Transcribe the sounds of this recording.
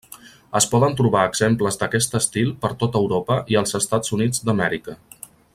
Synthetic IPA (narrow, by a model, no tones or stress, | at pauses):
əspɔðənt̪ɾuβaəɡz̥empləzd̪əkɛst̪əst̪ilˠpəɾt̪ot̪əwɾopəʔiəlˠzəst̪adzunidd͡zd̪əmɛɾikə